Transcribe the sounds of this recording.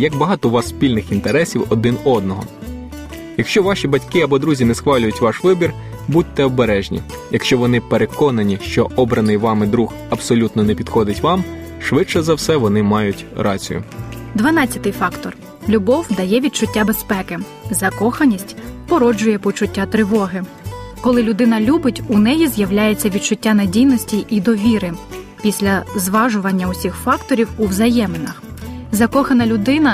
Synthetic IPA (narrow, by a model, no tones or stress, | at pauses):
jɐɡbɐɦɑt̪ɔʋɑsːpʲilʲnɪxint̪eɾɛsʲiwɔd̪ɪnɔd̪̚nɔɦɔ̰ | jɐkʃt͡ʃɔʋɑʃʲibɐtʲkɪɐbɔd̪ɾuzʲinɛsxʋɑlʲʊjʊtʲʋɑʃʋɪbʲir | but̚ʲt̪ːɛɔbeɾɛʒnʲḭ | jɐkʃt͡ʃɔʋɔnɪpeɾekɔnɐnʲiʃt͡ʃɔɔbɾɐnɪjʋɑmɪd̪ɾux | ɐbsɔlʲut̪nɔnɛpʲid̪xɔd̪ɪtʲʋɑm | ʃʋɪt͡ʃɛzɐwsɛʋɔnɪmɑjʊtʲɾɑt͡sʲḭjʊ̰d̪ʋɐnɑt͡sʲɐt̪ɪjfɑkt̪ɔr | lʲʊbɔwd̪ɐjɛʋʲit̪t͡ʃʊtʲːabespɛkɪ | zɐkɔxɐnʲisʲtʲpɔɾɔd͡ʒʊjɛpɔt͡ʃʊtʲːat̪ɾɪʋɔɦɪ | kɔlˠɪlʲʊd̪ɪnɐlʲubɪtʲunɛjizjɐwlʲajet͡sʲːɐʋʲid̪̚t͡ʃʊtʲːanedʲijnɔsʲtʲiʔid̪ɔʋʲiɾɪpʲisʲlʲɐzʋɑʒʊʋɐnʲːɐʊsʲixfɑkt̪ɔɾʲiwuwzɐjɛmenɐxzɐkɔxɐnɐlʲʊd̪ɪnɐ